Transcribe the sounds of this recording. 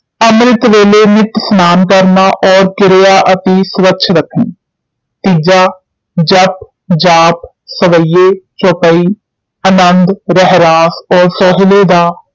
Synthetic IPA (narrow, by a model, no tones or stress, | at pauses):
əmɾɪt̪ʋeːleːnɪt̪snaːnkəɾnaːʔɔːɾkɪɾjaːʔət̪eːsʋətːʃʰɾəkʰːẽː | t̪iːd͡ʒaː | d͡ʒəp̚ | d͡ʒaːp̚ | səʋəijeːt͡ʃɔːpəiː | ənənd̪ɾəɦɾaːsɔːɾsɔːɦɪleːd̪aː